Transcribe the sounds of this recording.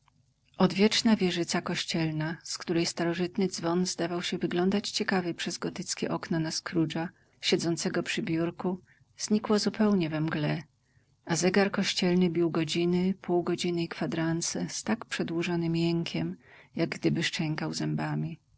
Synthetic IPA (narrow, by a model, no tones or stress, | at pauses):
ɔd̪vʲjɛt͡ʂnavʲjɛʐɘt̪sakɔɕt͡ɕɛlnaskt̪uɾɛjst̪aɾɔʐɘt̪nɘd̪zvɔnzd̪avawɕɛvɘɡlɔnd̪at͡ɕt͡ɕɛkavɘpʂɛzɡɔt̪ɘt̪skʲɛ̰ʔɔknɔnaskɾud͡ʐa | ɕɛd̪zɔnt̪sɛɡɔpʂɘbʲjuɾku | z̥ɲikwazupɛwɲɛvɛmɡlɛ | azɛɡaɾkɔɕt͡ɕɛlnɘbʲiwɡɔd͡ʑinɘpʰuwɡɔd͡ʑinɘikfad̪ɾant̪sɛst̪akpʂɛd̪wuʐɔnɘmjɛŋkʲʰɛmjaɡɡd̪ɘbɘʂt͡ʂɛŋkawzɛmbamʲi